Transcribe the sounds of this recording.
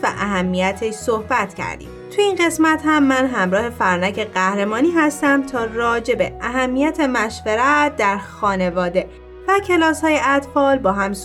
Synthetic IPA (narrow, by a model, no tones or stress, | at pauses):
væ̰ʔæɦæmːijæt̪ʰeʃsohbæt̪ʰcʰæ̰ɾd̪ḭːmt̪ʰuinɢe̞smæt̪hæmːænɦæmɾɒːhe̞fæɾnæcʰe̞ɢæhɾe̞mɒːniːɦæst̪æmt̪ʰɒːrɒːd͡ʒe̞be̞æɦæmːijæt̪ʰe̞mæʃveɾæt̪̚d̪æɾxɒːne̞vɒːd̪e̞ | væcʰe̞lɒːshɒːje̞ʔæt̪fɒːlbɒːɦæms